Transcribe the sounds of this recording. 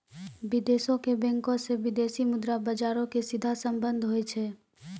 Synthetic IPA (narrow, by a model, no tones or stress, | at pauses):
ʋɪd̪eːsõkebɛ̃ŋkõseʋɪd̪eːsimʊd̪ɾabɐd͡ʒaːɾõkesɪd̪ʱasə̃mbə̃nd̪ʱɦoet͡ʃʰeː